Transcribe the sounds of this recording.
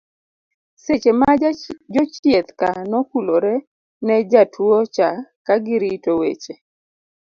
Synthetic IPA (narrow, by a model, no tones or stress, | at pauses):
set͡ʃemad͡ʒɔt͡ʃjet̪kanɔkuloɾɛ | nɛd͡ʒatʰwot͡ʃakaɡɪɾitowḛt͡ʃe